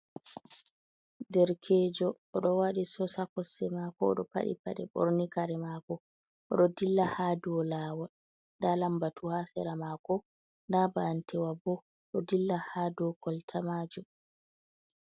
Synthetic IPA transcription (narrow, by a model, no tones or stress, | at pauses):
dɛɾkʰɛd͡ʒɔːɗɔwaɗisɔsakɔsɛmakɔ̰ːɗɔpa̰ɗḭpa̰ɗɛbɔ̰ɾnikaɾɛmakɔ | ʔɔɗɔdilːahaːduwɔlaːwa | ndalambatʰuhasɛɾamakɔ | ndabaːntʰɛwabɔ | ɗɔdilːahadɔkʰɔltʰamaːd͡ʒu